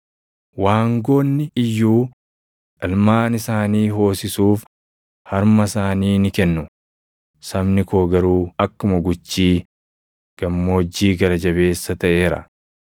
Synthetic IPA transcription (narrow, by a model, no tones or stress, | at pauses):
waːŋɡo̞ːnːɪɪjːuː | ʔɐlmaːnɪsaːniːɦo̞ːsɪsuːf | hɐɾmɐsaːniːnɪkɛnːʊ | sɐbnɪkʰo̞ːɡɐɾuːɐkːʊmɐɡʊt͡ʃːiː | ɡ̥ɐmːo̞ːd͡ʒːiːɡɐɾɐd͡ʒɐβe̞ːsːɐt̪ɐʔe̞ːɾɐ̰